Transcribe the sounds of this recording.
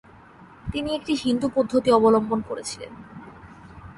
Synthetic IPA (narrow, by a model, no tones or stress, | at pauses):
t̪iniek̚ʈiɦind̪upod̪ʱːot̪iɔbolombonkoɾet͡ɕʰilḛn